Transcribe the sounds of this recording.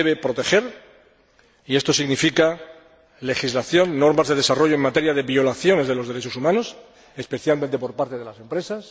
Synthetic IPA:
eβepɾo̞t̪e̞xe̞ɾ | ie̞st̪o̞siɣnifika | le̞xizlaθjo̞nːo̞ɾmazðe̞ð̞e̞saro̞ʝoeŋmat̪e̞ɾjað̞e̞βjo̞laθjo̞ne̞zð̞e̞loð̞e̞ɾe̞t͡ʃo̞sumãno̞s | e̞spe̞θjalmẽnt̪e̞po̞ɾpaɾt̪e̞ðe̞lase̞mpɾe̞sas

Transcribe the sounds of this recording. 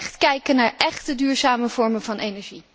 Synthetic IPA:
χtkɛjkənaːɹʔɛχtədyːɹzaːməvɔɹmənvɑnejnɛɹʒi

